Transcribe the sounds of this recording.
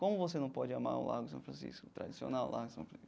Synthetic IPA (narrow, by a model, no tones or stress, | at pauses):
kõmʊvosenɐ̃w̃pɔd͡ʒɪama̰ɾʊ̰la̰ɾɡʊɪsɐ̃w̃fɾɐ̃sḭskʊt̪ɾad͡ʒisio̰nawlʔa̰ɾɡʊsɐ̰̃w̃fɾɐ̃si